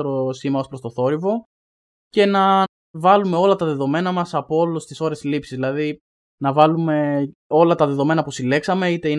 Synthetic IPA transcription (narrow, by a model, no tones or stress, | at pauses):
ɾosimɐospɾo̞st̪oθo̞ɾivo̞ | ce̞nɐ | vɐlume̞o̞lɐt̪ɐðe̞ðo̞me̞nɐmɐsɐpoolost̪iso̞ɾe̞slipsizðilɐði | nɐvɐlume̞o̞lɐt̪ɐðe̞ðo̞me̞nɐpusile̞ksɐme̞it̪e̞i